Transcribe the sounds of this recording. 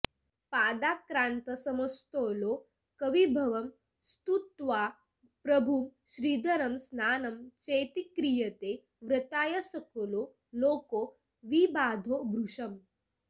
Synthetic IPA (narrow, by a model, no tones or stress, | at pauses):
paːd̪aːkɾaːnt̪ɐsɐmɐst̪oːloː | kɐʋibʱɐʋɐm | st̪ut̪ʋaː | pɾɐbʱumʃɾiːd̪ʱɐɾɐmsnaːnɐmt͡ʃeːt̪ikɾijɐt̪eː | ʋɾɐt̪aːjɐsɐkoloː | loːkoː | ʋibaːd̪ʱoːbʱɾuʂɐm